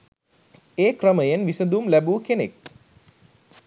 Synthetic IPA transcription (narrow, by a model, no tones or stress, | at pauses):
eːkrəməjenʋisəd̪umlæbuːkenek̚